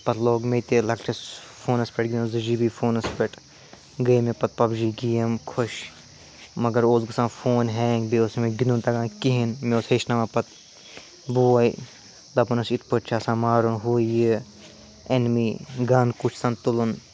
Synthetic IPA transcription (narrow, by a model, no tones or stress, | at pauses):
pɐt̪ʰloːɡmet̪elɐkʈʰɐsfʰoːnɐspeʈɡinũzɨd͡ʒiːbiːfʰoːnɐspeʈ | ɡɐimẽpɐt̪̚pɐbd͡ʒiːɡijɐmkʰoʃ | mɐɡɐɾoːzɡɐsãːnfʰoːnɦẽːŋɡbiosmẽɡinunt̪ɐɡãːkiɦinmeoːsheːʃnɐʋãːpɐt̪̚ | buːɐi | d̪ɐbɐnɐsit̪ʰpɐʈt͡ʃʰaːsãːmaːɾunɦuːji | enmiɡaːnkut͡ʃʰsɐnt̪ulun